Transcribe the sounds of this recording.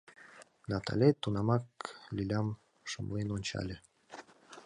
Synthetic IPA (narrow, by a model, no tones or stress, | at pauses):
nɑt̪ʰa̰lʲet̪unɑmɑklʲilʲɑm | ʃəmlˠenonʲt͡ɕɑ̰lʲe